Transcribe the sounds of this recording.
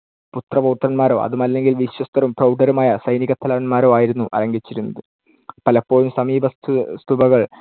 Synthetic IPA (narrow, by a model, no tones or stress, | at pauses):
put̪rɐpɐwt̪rɐnmaːɾo̞̰ːʔɐ̰ðumɐlːe̞ŋɡilʋiɕjɐst̪ɐɾumprɐwɖɐɾumaːjɐsɐjniɣɐt̪ʰːɐlɐːɐnmaːɾo̞ːaːjiɾunːuʔɐ̰ɾɐŋɡit͡ɕːiɾunːɐðɨ | pɐlɐpːo̞ːjumsɐmiːbʱɐst̪st̪ubɐɣɐɭ